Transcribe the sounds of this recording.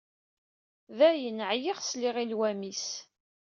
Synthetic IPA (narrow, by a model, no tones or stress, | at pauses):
ðæjənəʕjiʁsliʁilwæmis